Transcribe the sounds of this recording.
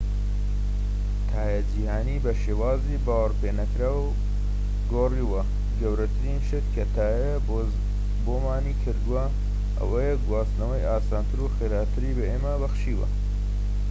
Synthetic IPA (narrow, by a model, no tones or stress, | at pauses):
t̪ʰaːjad͡ʒihaːniːbɐʃeːwaːzibaːwɐɾpʰeːnɐkɾaːw | ɡoːriːwɐ | ɡɐwɾɐt̪ʰɨɾinʃɪt̪kʰɐt̪ʰaːjɐ | boːmaːnikʰɨɾd̪uwɐ | ʔɐ̰wɐjeɡwaːst̪nɐwɐjaːsaːnt̪ʰɨɾuxeːɾaːt̪ʰɨɾiːbɐeːmɐbɐxʃiːwɐ̰